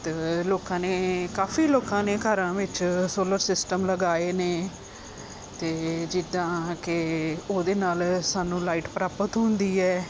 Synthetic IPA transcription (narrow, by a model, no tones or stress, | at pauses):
t̪eloːkãːneːkaːfiːloːkãːneːkəɾãːʋɪt͡ʃsoːləɾsɪsʈəmləɡaːeːneː | t̪eːd͡ʒɪd̪ãːkɪoːd̪eːnaːlsaːnũːlaːiːʈpɾaːpət̪ɦʊ̃nd̪iːɛː